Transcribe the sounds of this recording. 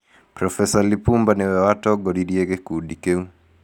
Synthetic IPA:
pɾɔfɛsalipumbanɛwɛwatɔɡɔɾiɾiɛɡɛkuːɗikɛu

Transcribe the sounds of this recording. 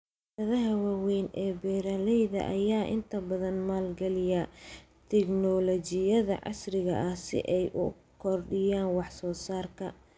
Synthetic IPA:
t̪ɐðɐɦɐwaːwɛjnɛːbɛːɾalɛjðɐ̰ʔɐjaːʔɪ̰nt̪ʰɐbɐðɐnmaːlɡɐlɪja | t̪ʰɛknɔlɔt͡ʃɪjɐðɐ̰ʕɑ̰srɪɣɐ̰ʔɐhsɪ̰ʔɛjʔʊ̰ | kʰɔrɖɪjaːnwɑħsɔːsaːrkʰɐ

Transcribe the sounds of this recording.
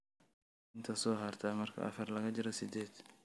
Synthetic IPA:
ɪnt̪ʰɐsɔːɦɐrt̪ʰaːmɐrkʰɐ̰ʔɐ̰fɐrlɐɣɐd͡ʒɪɾɔsɪd̪ɛːd̪

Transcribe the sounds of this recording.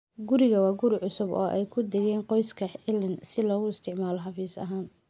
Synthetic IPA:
ɡʊɾɪɣɐwɑːɡʊɾɪʕʊsʊbɔ̰ːʔɛjkʰʊd̪ɛɣɛːnqɔjskʰɐɪlɐnsɪlɔːɣʊɪst̪ʰɪʕmaːlɔħɑfiːsɐ̰ɦaːn

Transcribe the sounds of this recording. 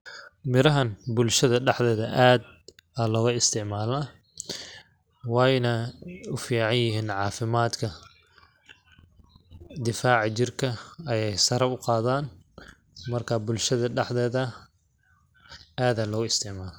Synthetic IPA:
mɪɾɐɦɐnbʊlʃɐðɐɖɛħd̪ɛːðɐʔaːd̪ | aːlɔːɣʊɪst̪ʰɪʕmaːlɐ | wɑːjnɐʊfiːʕɑnjɪɦiːnʕɑːfɪmaːd̪kʰɐ | d̪ɪfaːʕt͡ʃɪrkʰɐɐjɛjsɐɾɐʊqɑːðaːn | mɐrkʰɐbʊlʃɐðɐɖɛħðɛːðɐ | ʔaːd̪aːlɔːɣʊɪst̪ʰɪʕmaːlɐ

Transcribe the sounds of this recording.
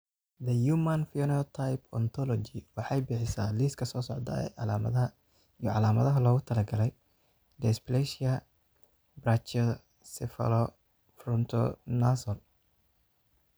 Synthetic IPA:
d̪ɐjumanfiɔnɔɔt̪ʰajpʰɔnt̪ʰɔlɔt͡ʃɪwɑħɑjbɪħɪsaːliːskʰɐsɔːsɔʕd̪ɐ̰ɛ̰ɑam | ijʕɑlaːmɐðɐɦɐlɔːɣʊt̪ʰɐlɐɡɐlɛj | d̪ɛsplɛʃɪɐ | brat͡ʃɛ | sɛfɐ̰lɔ | frɔnt̪ʰɔ̰nasɔl

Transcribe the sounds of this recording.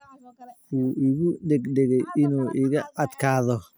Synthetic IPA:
uːɪɣʊɖɛɡɖɛɣɛjɪnuːʔɪɣɐɐd̪kʰaːðɔ

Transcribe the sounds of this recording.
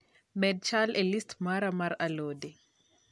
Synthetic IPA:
mɛd̚t͡ʃalɛlistmaɾamaɾaloːdɛ

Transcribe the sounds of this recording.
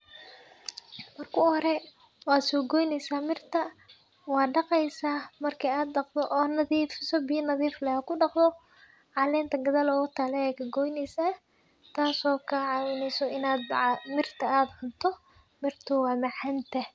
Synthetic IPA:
mɐrkʰʊhɔɾɛ | wɑːd̪sɔːɡɔːjnɛjsaːmɪrt̪ʰɐ | wɑːɖɑqɛjsaːmɐrkʰiaːd̪ɖɑqd̪ɔʔɔːnɐðiːfɪsɔbɪjɐnɐðiːflɛɐkʰʊɖɑqd̪ɔ | ʕɑlɛːnt̪ʰɐɡɐðɐlɔːʊt̪ʰaːlɛɛjkʰɐɡɔːjnɛjsaː | t̪ʰaːsɔːkʰɐʕɑːwɪnɛjsɔɪnaːd̪mɪrt̪ʰɐaːd̪ħʊnt̪ʰɔ | mɪrt̪ʰʊwɑːmɐħɐnt̪ʰɐ

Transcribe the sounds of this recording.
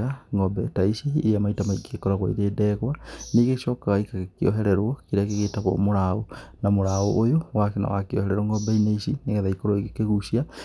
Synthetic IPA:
aŋɡɔbɛtaisiːɾiamaitamaikʰekɔɾaɣwa̰ḭɾeːdɛɣwaniɣeʃɔkaɣaikakiɔ̰ɦɛɾɛɾwɔkiɾeakeɣetaɣɔ̰moɾaonamoɾaoʔːjowakena̰wa̰kiɔ̰hɛɾɛɾwɔŋɡɔbɛineisineɣaðaikoɾoikekeɣusia

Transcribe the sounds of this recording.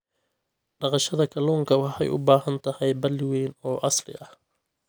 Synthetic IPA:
ɖɑqɑʃɐðɐkʰɐluːŋkʰɐwɑħɛ̰jʔʊ̰baːɦɐnt̪ʰɐhɛjbɐlɪweːnɔːʔɑslɪ̰ʔɐh

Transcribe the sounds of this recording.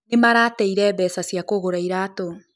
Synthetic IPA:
nemaɾaːtɛiɾɛβɛsasjakoɣoɾaiɾato

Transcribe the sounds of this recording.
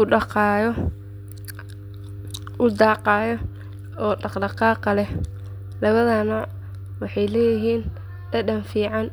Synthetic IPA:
ʊɑqɑjɔ | ʊd̪ɑːqɑːjɔ | ɔːɖɑqɖɑqɑːqɐlɛ | lɐβɐðɐnɐ | wɑħɑjlɛːjɪɦiːn | dɐɖɐnfiːʕɑn

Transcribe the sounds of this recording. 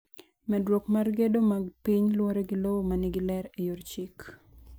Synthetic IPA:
mɛdwokmarɡedomaɡpiɲlwoɾeɡɪlowomanɪɡɪlɛɾejort͡ʃik

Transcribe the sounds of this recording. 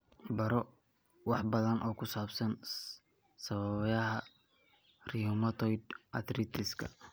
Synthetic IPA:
bɐɾɔ | wɑħbɐðɐnʔɔːkʰʊsaːbsɐn | sɐβɐβjɐɦɐ | riɔmɐt̪ʰɔjd̪ʔɐ̰t̪rit̪ʰɪskʰɐ̰

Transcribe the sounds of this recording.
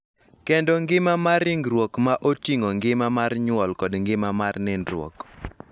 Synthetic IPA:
kɛndɔŋɡɪmamarɪŋɡɾwokmaʔotiŋɔŋɡɪmamarɲwɔlkɔdŋɡɪmamarnɪnrwɔ̰k

